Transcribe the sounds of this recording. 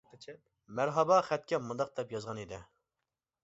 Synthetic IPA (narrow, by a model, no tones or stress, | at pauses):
mæɾɦɑbɑχɛt̪̚kʲɛmund̪ɑq̚d̪ɛpjɑzʁɑnid̪ɪ